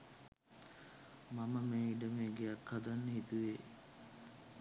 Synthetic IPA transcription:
maməmeːiɖəmeːɡeakʰːad̪anːəɦit̪uʋeː

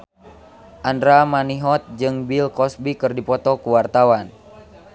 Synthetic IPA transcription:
ʔandɾamaniɦɔt̪̚d͡ʒɨŋbilkɔsbikɨrdipɔt̪ɔkuwart̪awan

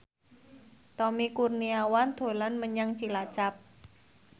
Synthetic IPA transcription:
t̪ɔmikurniawand̪̥o̤lanməɲaŋt͡ʃilat͡ʃap̚

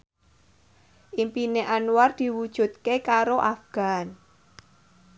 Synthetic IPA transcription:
ʔimpineʔanuward̪̥i̤wud̥ʒ̥ṳt̪̚kekaɾoʔafɡ̥a̤n

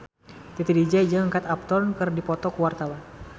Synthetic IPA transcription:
t̪it̪idid͡ʒad͡ʒaŋəŋkat̪ap̚t̪ɔnkɨrdipɔt̪ɔkəwart̪awan

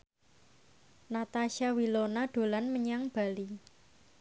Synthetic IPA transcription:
nat̪aʃawilonaɖ̪̥o̤lanməɲaŋb̥a̤li

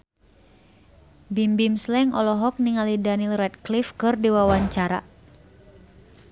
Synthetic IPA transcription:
bimbimslɛŋʔɔlɔɦɔk̚niŋalidanilrɛt̪̚klifkɨrdiwawaɲt͡ʃaɾa̰

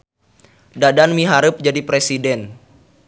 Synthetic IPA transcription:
dadanmiɦaɾɨp̚d͡ʒadipɾesidɛn

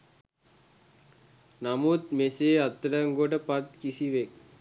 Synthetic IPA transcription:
namut̪meseːɐt̪ːɾɐŋɡoʈɐpɐt̪̚kisiʋek̚

